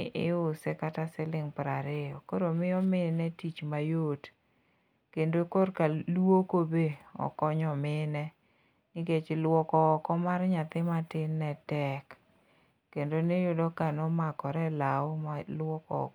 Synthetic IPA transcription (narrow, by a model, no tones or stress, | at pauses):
ʔɪ̰ʊsɛkatasɪlɪŋpɾaɾɪɔkoɾomɪjɔmɪnɛtit͡ʃmajot | kendokorkaluokobeɔ̰kɔɲɔmɪnɛ | nɪket͡ʃlwɔkɔkɔmarɲat̪ɪmatɪnːɛtɛk | kːendonejʊdɔkanɔmakɔɾɛlaʊmalwɔkɔ̰